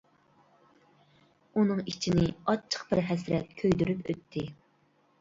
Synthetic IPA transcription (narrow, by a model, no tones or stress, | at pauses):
unɨŋit͡ʃʰinɪɑt͡ʃʰə̥qbɪɾɦɛsɾɛt̪̚kʲʰøjd̪yɾypøt̪ʰːɪ